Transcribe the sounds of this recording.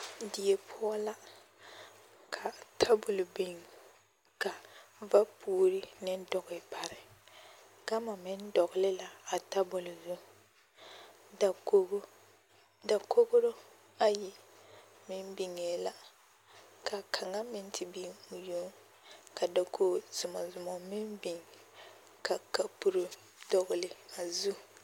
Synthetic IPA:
dɪ˨e˨pʰʊ˦ɔ˦la˦ | kʰa˨tʰa˦bʊ˨lbi˨ŋ | ka˨va˦pʰuː˦ɾi˦nɪ˦n˦dɔ˨ɣɪ˨pa˨ɾɪ˨ | ɡa˦ma˨mɪ˦n˦dɔ˨ɣɪ˨lɪ˦la˨a˨ta˦bʊ˨lzʊ˦ | da˨ko˦ | da˨ko˦ɡʊ˦ɾo˦ | a˦ji˨mɪ˦mbi˨ŋe˨la˨ | kʰa˨kʰa˨ŋa˦mɪ˦n˦tʰɪ˨bi˦ʊ˨jo˦ŋ | ka˨da˨kʰo˦zʊ˨ma˨zʊ˨mɔ˨mɪ˦mbi˨ŋ | ka˨ka˨pu˨ɾʊ˨ | dɔ˨ɣʊ˨lɪ˨a˨zu˦

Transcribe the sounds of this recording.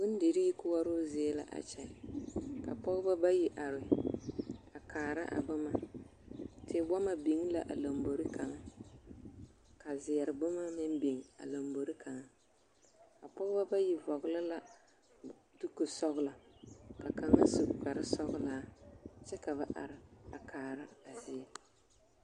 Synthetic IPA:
bʊ˦n˦de˨ɾi˦i˦kʊ˦wa˦ɾo˦ze˦la̰˨ʔa̰˨t͡ʃɛ˨ka̰˨pɔ˦ɣʊ˦ba˦ba˦ji˨ʔa˨ɾɪ˨ | a˨kaː˨ɾa̰˦ʔa̰˨ba˦ma˨ | te˨˦ba˦ma˨bi˨ŋ˦la̰˨ʔa̰˨la˨mbo˨ɾi˦ka˨ŋa˦ | ka˨zɪ˨jɛ˨ɾɨ˨bʊ˦ma˦mɪ˦n˦bi˨ŋa̰˨la˨mbo˨ɾi˦kʰa˨ŋa˦ | ka˨pɔ˦ɣba˦ba˦ji˨vɔ˨ɣʊ˦la˦la˨ | tu˦ko˨sɔ˦ɣʊ˦la˨ba˨ka˨ŋa˦su˨ka˨ɾɪ˦sɔ˦ɣʊ˦laː˨˦t͡ʃɛ˦ka˨βa˦ʔa̰˨ɾɪ˨a˨kʰaː˨ɾa˦a˨zɪ˨ɛ˨

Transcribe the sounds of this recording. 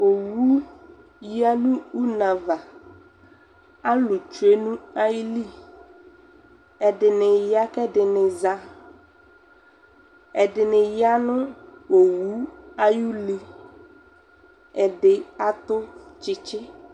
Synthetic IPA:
o˨wu˦ | ja˦nũ˦u˦na˨va˨ | a˦lʊ˨t͡ʃu˨e˦nũ˦a˦ji˦li˦˨ | ɛ˨dɪ˨nɪ˨ja˦kɛ˦dɪ˨nɪ˨za˦ | ɛ˨dɪ˨nɪ˨ja˦nʊ̃˦wo˨wu˦a˦ju˦li˦ | ɛ˨ɖɪ˨a˦t̪ʊ˦t͡ʃɪ˦t͡ʃɪ˦

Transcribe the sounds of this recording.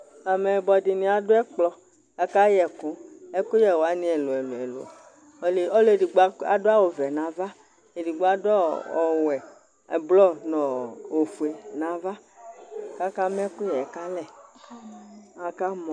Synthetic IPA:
a˨mɛ˨bɔ˨di˨nĩ˨a˨do˦ɛ˦k͡plɔ˨ | ka˦ka˦jɛ˨kũ˨˦ɛ˦ku˦jɛ˨wo˨a˨˦nĩ˦ɛ˨lo˨ɛ˨lo˨ɛ˨lo̰˨˦ | le˦ɔ˦le˨di˨ɡ͡ba˨do˦a˦wo˨vɛ˨nã˨va˦ | e˨di˨ɡ͡bo˦a˦dɔ˦ɔ˨wɛ˨ | blɔ˦nɔ̃˨wo˨fu˨e˨nã˨va˦ | ka˦ka˦m˦ku˦jɛ˨ɛ˨ka˦lɛ˨ | a˨ka˦mɔ̃˨

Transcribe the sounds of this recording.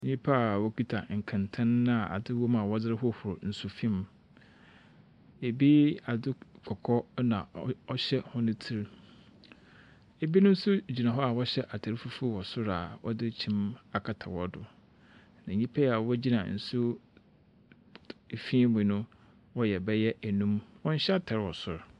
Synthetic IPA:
ɲĩ˦pʰa˦a˨wɔ˦ki˦tʰa˨ŋ̩˨kʰã˨ntʰã˦ñː˦a˨ʔa̰˨dɪ˦wɔ˦mã˨wɔ˦dɪ˦ɾɪ˦ɦʊ˦hʊ˨ɾʊ˨n̩˨sʊ˨fĩ˦m˦ | e˨bi˦a˨dɪ˦kʰɔ˨kʰɔ˦nã̰˨ɔ˦ɕɛ˦hʊ̃˦nʊ̃˦tʰi˦ɾ | e˨bi˦nʊ̃˦n̩˦sʊ˦d͡ʑi˨nã˨ɦɔ˦a˨wɔ˦ɕɛ˦ʔa˨tʰa˨ɾɪ˦fu˦fu˦wɔ˨sʊ˦ɾa˨wɔ̰˦dɪ˦t͡ɕʰĩ˦ma˨kʰa˨tʰa̰˨wɔ˦dʊ˨ | nã˨ɲĩ˦pʰɛ˦a˨wɔ˦d͡ʑi˦nã˨n̩˨sʊ˦˨ | fĩ˦mʊ̃˨nʊ̃˦ | wɔ˦jɛ˨bɛ˦jɛ˦ʔæ˨nũ˦mwɔ̃˦n̩˦ɕɛ˦a˦tʰa˨ɾwɔ˨sʊ˦ɾ

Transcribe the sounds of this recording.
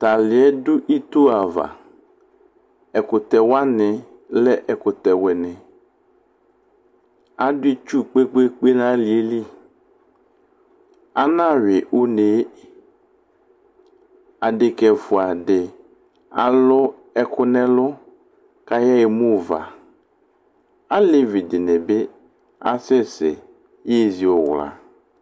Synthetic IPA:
t̪a˨lɪ˨ɛ˦dʊ˦ʔi˦t̪u˦a˨va̰˨ | ɛ˨kʊ˨t̪ɛ˨wa˦nɪ˨ | lɛ˦ʔɛ˨kʊ˨t̪ɛ˨wɛ˨nɪ˨ | a˦dʊ˦i˦t͡ʃu˦k͡pe˦k͡pe˦k͡pe˦nã˦lɪ˨e˦li˦ | a˦nã˦˨ɥɪ˨ʔʊ˦ne˨˦ | a˨dɪ˨kɛ˨fʊ˨a˨dɪ˨ | a̰˨lʊ˦ | ɛ˦kʊ˦nɛ̃˦lʊ˦ | ka˦ja˦e˨mũ˦˨va̰˨ | a˦le˦vi˨dɪ˨nɛ˨be˦ | a̰˦sɛ˦sɪ̰˨ | je˦zi˨o˨wla̰˨

